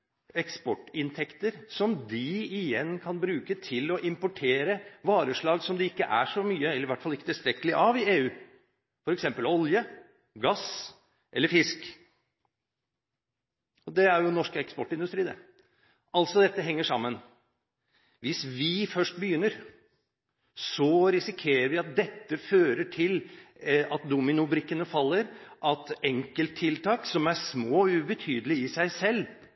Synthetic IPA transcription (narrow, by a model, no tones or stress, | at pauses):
ɛkspɔʈːɪnt̪ʰɛkt̪əɾsɔmd̪ɪɪjɛnːkʰɑnbɾʉːkət̪ʰɪlɔʔɪmpʊʈʰeːɾəʋɑːɾəʂɭɑːɡsɔmd̪ɛɪkːəʔæʂɔmyːəɛlːəɾʋæʈːfɑlɪkːət̪ʰɪlst̪ɾɛkːəlɪʔɑʋɪeːʉː | fɔɾɛksɛmpəlɔljə | ɡɑs | ʔɛlːəɾfɪsk | ɔd̪ɛæɾjʊnɔʂkəɛkspɔʈːɪnd̪ʉst̪ɾiːnə̰ | ʔɑlsɔd̪ɛt̪ːəɦɛŋːəʂɑmːən | ʋɪsʋɪfœʂʈ̚bəjʏnːəɾ | sɔɾɪsɪkʰeːɾəɾʋɪɑt̪̚d̪ɛt̪ːəføːɾəʈʰɪl | ɑt̪̚d̪umɪnʊbɾɪkːənəfɑlːəɾʔɑt̪ɛŋkəlt̪ʰːɪlt̪ʰɑːksɔmæsmoːʉbət̪ʰyːd̪əlɪɪsæɪsɛlː